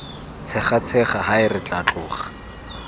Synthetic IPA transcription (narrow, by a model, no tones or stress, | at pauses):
t͡sʰɛχat͡sʰɛχaɦaɪrɪt͡ɬʼat͡ɬʼʊːχḁ